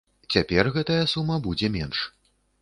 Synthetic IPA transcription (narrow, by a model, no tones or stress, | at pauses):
t͡sʲapʲɛrɣɛt̪ɐjɐsumːɐbud͡zʲɛmʲɛnʂ